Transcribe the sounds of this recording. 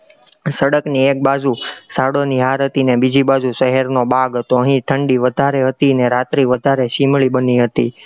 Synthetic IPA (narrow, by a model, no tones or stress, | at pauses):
səɽəkniek̚bad͡ʒusaɽoniɦaɾət̪inebid͡ʒibad͡ʒuʃəɦɛɾnobaɡt̪oəɦĩʈʰəɳɖiʋəd̪ʱaɾeɦət̪iəneɾat̪ɾiʋəd̪ʱaɾeʃimɭibəniɦət̪i